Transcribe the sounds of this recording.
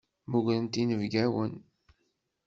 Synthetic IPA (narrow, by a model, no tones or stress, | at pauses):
muʝlənt̪inəvɡæwən